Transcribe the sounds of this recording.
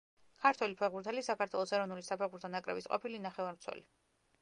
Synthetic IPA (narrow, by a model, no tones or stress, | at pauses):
kʰaɾt̪ʰwɛlipʰɛʁbuɾt̪ʰɛlisakaɾt̪ʰwɛlˠɔsɛɾɔvnulisapʰɛʁbuɾt̪ʰanakʼɾɛ̰bisqʼɔ̰pʰilinaχɛvaɾmt̪sʰɛ̰li